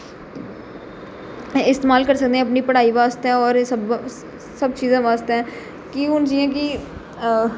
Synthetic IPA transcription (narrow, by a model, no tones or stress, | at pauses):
ɪst̪eːmaːlkəɾsək̚d̪ẽːɛ̃ːəpniːpəɽaːiːʋaːst̪ɛ̃ːɔːɾsəb | səbt͡ʃiːzãːʋaːst̪ːɛ̃ː | kɪʊnd͡ʒiãːkɪ